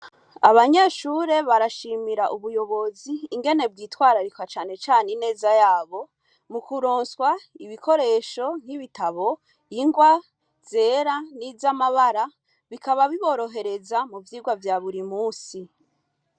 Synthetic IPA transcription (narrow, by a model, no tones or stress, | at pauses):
aβaɲeʃuɾe̞βaɾaʃimiɾaʔuβujo̞βo̞ziːŋɡe̞ne̞b̚ɡiːtwaːɾaɾikwat͡ʃaːne̞t͡ʃaːnine̞ːzajaːβo̞ | mukuɾo̞ːnswaiβiko̞ɾe̞ːʃo̞n̥hiβitaβo̞ | jiŋɡwa | z̥e̞ːɾanizamaβaɾa | βikaβaβiβo̞ɾo̞ɦe̞ɾe̞zamuvjiːɡwavjaːβuɾimuːsi